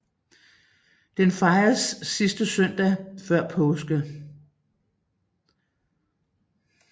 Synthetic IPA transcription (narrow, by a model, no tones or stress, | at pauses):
d̥enfɑ̈ɪɐsːisd̥əsœn̰d̥æfɶɐ̰pʰɔʊsɡ̥ə